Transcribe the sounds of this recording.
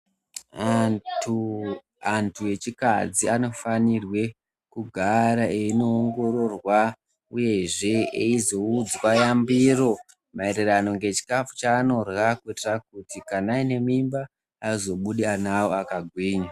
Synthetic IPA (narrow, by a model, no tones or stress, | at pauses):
antʰue̞t͡ʃika̰d͡ziano̞fanirwe̞ | kuɡʱaɾaeino̞ːŋɡo̞ɾo̞rwa | uje̞ʐe̞eizo̞ud͡zwajambiro̞ | maeɾirano̞ŋɡe̞t͡ʃi̥kafu̥t͡ʃaːno̞rwakuitirak̚utikanaine̞mimbaː | izo̞ɓuɗianawo̞akaɡʱwiːɲa